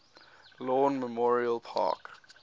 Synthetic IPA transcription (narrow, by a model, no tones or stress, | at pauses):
lɔːnməmɔɹiəlpʰa̰k